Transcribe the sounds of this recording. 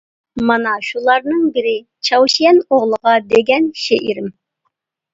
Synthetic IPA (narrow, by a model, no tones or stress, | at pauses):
mɑnɑʃulˠɑɾnɨŋbɪɾɪ | t͡ʃʰɑwʃijɛnoʁlˠəʁɑd̪eɡʲɛnʃeʔiɾɪm